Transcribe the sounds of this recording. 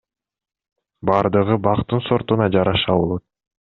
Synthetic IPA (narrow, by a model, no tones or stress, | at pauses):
bɑɾd̪ɯʁɯbɑqt̪unso̞ɾt̪unɑd͡ʒɑɾɑʃɑolˠot̪̚